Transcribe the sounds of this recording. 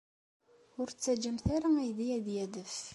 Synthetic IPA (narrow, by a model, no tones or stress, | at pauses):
ʊɾt͡sːæd͡ʒəmθaɾaæjðijæðjæðəf